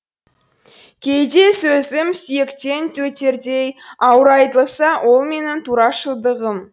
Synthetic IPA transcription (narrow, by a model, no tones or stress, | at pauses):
kʲʰe̞jd̪e̞sɵzɪmsʏje̞kt̪e̞nt̪ʰɵt̪e̞ɾd̪e̞jɑwɾɑjt̪əlˠsɑwʔo̞lˠme̞nɪnt̪ʰuɾɑʃəlˠd̪əʁəm